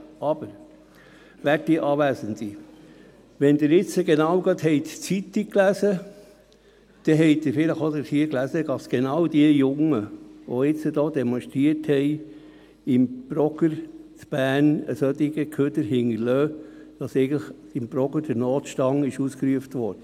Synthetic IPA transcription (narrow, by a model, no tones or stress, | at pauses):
ɑb̥əɾ | ʋæt̚d̥iəʔɑːʋæːsənti | ʋɛnd̪ɪːɾɪt͡səɡenɑwɡɑt̪hɛɪtt͡sit̪ːikkːlæsə | d̥ɛɦɛɪdɪɾfɪləχod̪əɾhiəklæsəɡ̥ɑpsɡ̥enɑwd̥iəjʊŋəʋoɪt͡səd̪ɔːd̪ɛmɔnʃt̪ɾiəthɛɪ | ɪmb̥ɾɔɡəɾt͡sb̥æːnəsœt̪iɡ̥əkʰød̪əɾhɪŋəɾløːd̥ɑsɛɪɡən̩tləχɪmbɾɔɡəɾd̥əɾnɔːt̪ʃtɑŋɪʃuskɾyəft̪ʋɔɾd̥ə